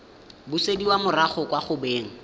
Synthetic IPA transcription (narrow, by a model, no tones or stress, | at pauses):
bʊsediwamʊraχʊkwaχʊbeːŋ̩